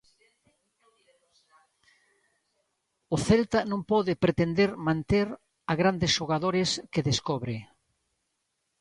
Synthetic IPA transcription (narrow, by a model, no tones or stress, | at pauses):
ʊθɛlt̪ɐnõŋpɔðɪpɾet̪end̪eɾmãnt̪eɾ | aɣɾand̪ɪsʃoɣaðoɾɪskeðeskɔβɾɪ